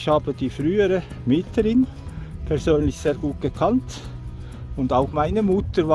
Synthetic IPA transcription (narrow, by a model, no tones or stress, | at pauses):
çhaːb̥əd̥iːfʁyːəɾə | mɪtləɾɪn | pʰɛɐzøːnlɪçseːɐɡuːt̚ɡ̥əkʰɑnt | ʊndaʊxmaɪnəmʊtəɾv